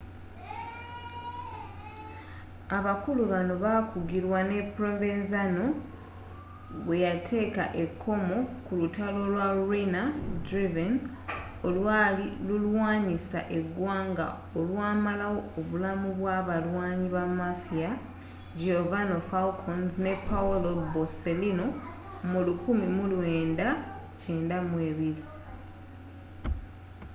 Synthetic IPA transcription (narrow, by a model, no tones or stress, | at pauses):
aβakuluβano̞βakuɡiɾwane̞pɾovenzano̞ | βwe̞jatʰe̞ːka̰ʔe̞kʰːo̞mo̞kulutalo̞lwaɾinadɾiven | olwaːlilulwaːɲisa̰ʔe̞ɡwaːŋɡa̰ | olwaːmalawo̞ːβulamuβwaβalwaːɲiβamafia | d͡ʒovano̞faukʰonzne̞pːaulo̞bose̞lino̞ | mulukumimulweːnda | ce̞ːndamwe̞ːβiɾi